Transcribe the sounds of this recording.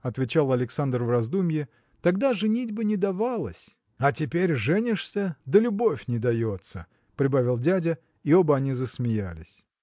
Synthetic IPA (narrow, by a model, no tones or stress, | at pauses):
ɐt̪vʲɪt͡ɕalˠɐlʲɪksand̪rvrɐzd̪umʲjɪ | t̪ɐɡd̪aʐɨnʲidʲbɨnʲɪd̪avalˠə̰sʲ | ɐtʲɪpʲeɾʲʐɛnʲɪʂsʲəd̪əlʲʊbo̞fʲnʲɪd̪ɐjo̞t̪sə̰ | pɾʲɪbavʲɪlˠdʲædʲə | io̞bəɐnʲizəsmʲɪjalʲɪ̰sʲ